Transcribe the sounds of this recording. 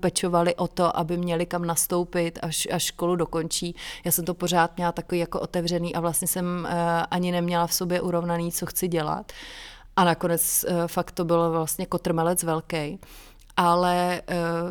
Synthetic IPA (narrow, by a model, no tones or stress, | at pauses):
pɛt͡ʃo̞valɪʔo̞t̪o̞ʔabɪmɲɛlɪkamnast̪o̞wpɪt̪aʃʔaʃko̞ludo̞ko̞nt͡ʃiːjaːsɛmt̪o̞po̞ɾ̝aːt̪̚mɲɛlat̪akoviːjakoʔo̞t̪ɛvr̝ɛniːʔavlast̪ɲɛsɛmʔaɲɪnɛmɲɛlafso̞bjɛʔuɾo̞vnaniːt͡so̞xt͡sɪɟɛla̰t̪ | ʔanako̞nɛt͡sfakt̪ːobɪlovlast̪ɲɛkot̪r̩mɛlɛt͡svɛlkɛj | ʔalɛ